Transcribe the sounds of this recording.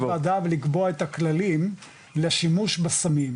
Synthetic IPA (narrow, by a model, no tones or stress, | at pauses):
ad̪avlikboaet̪aklalim | leʃimuʃbasamim